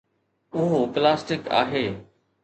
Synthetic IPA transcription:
ʊɦoplaːsʈɪka̰ːɦeː

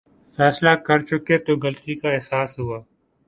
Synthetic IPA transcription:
fɛːslakɐɾt͡ʃʊket̪oɡɐlt̪ikaɪɦsaːsɦuaː

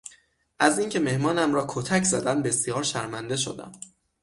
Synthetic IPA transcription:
ʔæziːŋcʰe̞me̞hmɒːnæmɾɒːkʰot̪ʰæcʰzæd̪æmbe̞sijɒːɾʃæɾmænd̪e̞ʃo̰d̪æ̰m

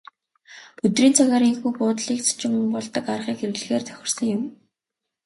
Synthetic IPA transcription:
ɵt̪riːnt͡sʰaɣaːɾiŋxuːjpʊːt̪ɮiːk̚t͡sʰḁt͡ɕɪ̆mpɔɮt̪ə̆karʁiːkeɾɘ̆ɮ̆ɣeːrt̪ʰœ̥xʲɪ̆r̥sə̆ŋjʊm

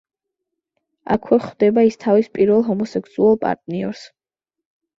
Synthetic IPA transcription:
a̰kʰwɛχd̪ɛbaist̪ʰavispʼiɾvɛlˠɦɔmɔsɛkʰsualˠpʼa̰ɾt̪ʼniɔɾs

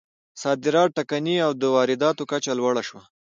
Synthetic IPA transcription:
sɑd̪ɪɾɑʈakaniawd̪əwɑɾɪd̪ɑt̪okat͡ʃalwaɽaʃwa

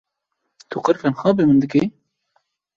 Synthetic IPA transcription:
t̪ʰuqɨɾfɛnxɑːbemɨnd̪ɨke

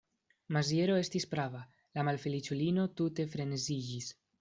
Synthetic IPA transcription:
mazje̞ɾo̞e̞stispɾava | lamalfelit͡ʃulino̞t̪ute̞fɾe̞nezid͡ʒis

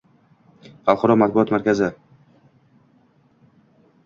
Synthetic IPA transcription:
alˠχɒɾɒmat̪̚bʊɒt̪maɾkʲʰazɪ

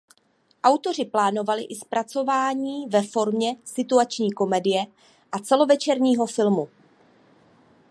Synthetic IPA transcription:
ʔawt̪o̞r̝ɪplaːno̞valɪʔɪspɾat͡so̞vaːɲiːvɛfo̞ɾmɲɛsɪt̪uat͡ʃɲiːko̞mɛdɪjɛ | ʔat͡sɛlo̞vɛt͡ʃɛɾɲiːɦo̞fɪlmu

